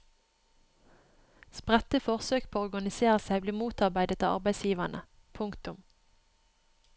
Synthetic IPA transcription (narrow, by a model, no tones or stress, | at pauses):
spʁɛt̪əfɔʁsøːk̚pʰoːɔʁɡɑnɪseːʁəsæɪbliːmuːt̪ɑʁbæɪd̪ət̪ʰɪɑ̰ʁbæɪsjiːʋɑnə̰ | pʰʊŋkt̪ʊm